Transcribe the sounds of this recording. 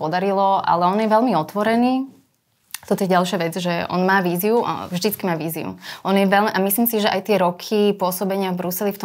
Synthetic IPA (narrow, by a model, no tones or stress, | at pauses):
pɔd̪aɾilɔʔa̰lɛɔnjɛʋɛlmiɔt̪ʋɔɾɛniː | t̪ɔt̪ɔjɛɟalʃaʋɛd͡zʒɛɔ̰nmaːʋiːziṵvʒd̪it͡skimaːʋiːziṵʔɔnjɛʋɛlʔamisliːmsiʒɛʔajt̪ɪɛɾɔkʰipʊɔsɔbɛɲɪavbɾusɛlift̪ɔ